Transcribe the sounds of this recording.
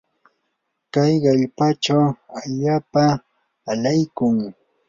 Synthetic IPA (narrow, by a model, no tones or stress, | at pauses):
kajɢeʎpat͡ʃawaʎaːpaː | lajkʊŋ